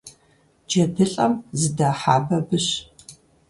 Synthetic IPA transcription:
d͡ʒɐdɨɬʼɐmzɨdaːħaːbɐbɨɕ

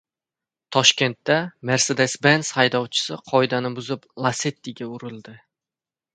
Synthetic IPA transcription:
t̪ʰɒʃkʲe̞nt̪ːame̞ɾse̞d̪e̞sbenshajd̪ɒwt͡ʃʰɪ̥sɪqʰɒjd̪anɪbʊzɪplˠaset̪ːiɡʲaʊɾɪlˠd̪ɪ

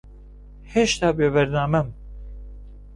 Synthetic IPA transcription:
heʃt̪ʰaːbeːvɛɾnaːmɛm

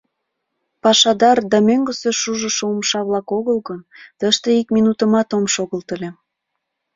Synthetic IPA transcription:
pɑʃɑd̪ɑrd̪ɑmøŋɡəseʃuʒəʃoomʃɑβlɑkoɣəlɣənt̪əʃt̪eikminut̪ə̆mɑt̪omʃoɣəlt̪əlʲe

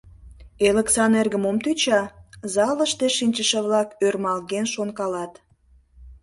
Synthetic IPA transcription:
eləksɑnerɣəmomt̪yt͡ɕɑzɑləʃt̪eʃinʲt͡ɕəʃə̆βlɑkørmɑlɣenʃonkɑlɑt̪

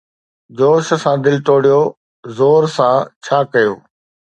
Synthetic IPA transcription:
d͡ʑoːʃsãːd̪ɪlʈoːɽijo | zoːɾsãːt͡ɕʰaːkɐjoː

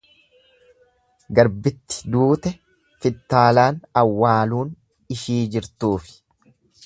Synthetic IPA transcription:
ɡɐɾbɪt̪ːɪ̥d̪uːt̪ɛ | fɪt̪ːaːlaːnɐwːaːluːn | ɪʃiːd͡ʒɪɾt̪uːfɪ̥

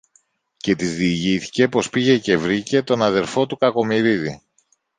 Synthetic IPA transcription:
ce̞t̪izðiːʝiθi̥ce̞po̞spiʝe̞ce̞vɾice̞t̪o̞nɐðe̞ɾfo̞t̪ukɐko̞miɾiði

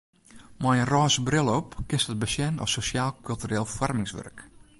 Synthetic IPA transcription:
mɔjənrɔːsəbrɪlˠɔpkɪstət̚bəsjɛnɔ̰sosjaːlˠkʰylˠtyreːlˠfɔrmɪŋsʋø̰rk

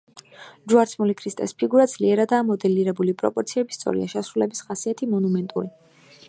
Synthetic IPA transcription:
d͡ʒuaɾt̪sʰmulikʰɾist̪ʼɛ̰spʰiɡuɾad̪zliɛɾad̪aːmɔd̪ɛliɾɛbulipʼɾɔ̰pʼɔɾt̪sʰiɛbist̪sʼɔ̰ɾḭa̰ʃɛsɾulɛbisχasiat̪ʰimɔnumɛnt̪ʼṵɾi

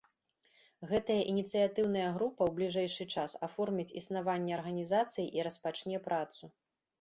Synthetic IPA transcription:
ɣɛt̪ɐjɐʔinʲit̪sɨjat̪ɨwn̪ɐjɐɣɾupɐwblʲiʐɛjʂɨt͡ʂasafɔrmʲit͡sʲisnavanʲːɛɐrɣɐnʲizat̪sɨjiʔiɾɐspat͡ʂnʲɛpɾʔat̪su

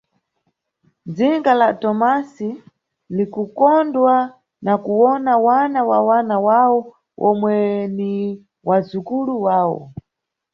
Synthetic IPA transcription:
d͡ziŋɡalatɔmasi | likukɔndwa | nakuwɔnawanawawanawawɔ | ɔmwɛni | wazukuluwaːwɔ̰

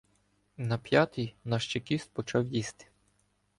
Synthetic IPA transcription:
nɐpʲjɑt̪ijnɑʃt͡ʃekʲist̪̚pɔt͡ʃɑwjist̪ɪ̥

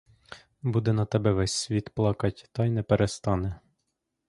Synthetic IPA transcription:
bud̪ɛnɐt̪ɛbɛʋɛsʲsʲʋʲit̪plˠɑkɐtʲt̪ɑjnɛpeɾest̪ɑnɛ

